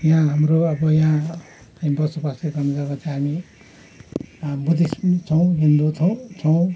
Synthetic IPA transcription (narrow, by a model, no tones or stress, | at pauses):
jãɦamroʌbʌjã | t͡sãj̃bʌsubastekʌmiɡakat͡sãɦami | bud̪ist͡sʰʌw̃ɦind̪ut͡sʰʌw̃t͡sʰʌw̃